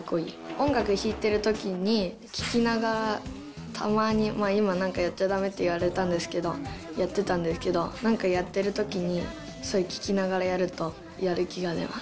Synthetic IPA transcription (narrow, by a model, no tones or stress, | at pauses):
kːoḭːõ̞ŋɡakɯ̟çiːt̪e̞ɾɯ̟t̪o̞kʲiɲ̟i | kʲi̥kʲinaɡaɾa | t̪ʰa̰maːɲ̟imaːimanãŋkajat̪ːad̪ame̞t̪ːeiβaɾe̞t̪ãnd̪e̞sɨ̥ke̞d̪o̞̰jat̪ːe̞t̪ãnd̪esɨ̥ke̞d̪o̞nãŋkajat̪ːe̞ɾɯ̟t̪o̞kʲiɲ̟i | so̞ɾekʲi̥kʲinaɡaɾajaɾɯ̟t̪o̞ | jaɾɯ̟kʲiɡad̪e̞̰ma̰s